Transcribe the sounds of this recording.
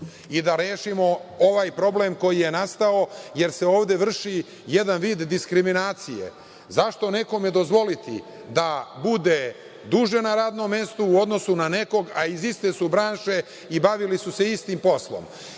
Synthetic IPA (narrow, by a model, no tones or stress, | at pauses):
id̪aɾeːʃimo̞oʋaːjpɾo̞blemko̞jije̞nast̪ao̞je̞ɾse̞o̞ːʋd̪e̞ʋr̩ʃi | je̞d̪anʋiːd̪ːiskɾiminaːt̪sijḛ | zaʃt̪o̞ne̞ko̞mjed̪o̞zʋo̞lit̪ḭ | d̪abud̪e | d̪uʒe̞naɾaːd̪nomːe̞st̪uːo̞d̪no̞sunane̞ko̞ɡaizist̪esubɾaːnʃe̞ | ibaʋilisuse̞ist̪impo̞slo̰m